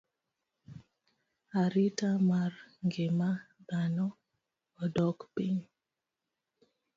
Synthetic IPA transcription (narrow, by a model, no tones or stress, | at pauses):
aɾitamarŋɡemad̪anɔː | dɔkpiɲ